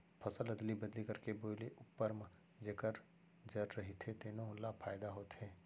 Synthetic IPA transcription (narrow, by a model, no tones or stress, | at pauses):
pʰɐsəlɐd̪libɐd̪likɐɾkeboːleʔʊpːəɾm | d͡ʒeːkəɾ | d͡ʒɐɾːɐɦit̪ʰet̪enoʊlːapʰaːɪd̪aɦoːt̪ɦeː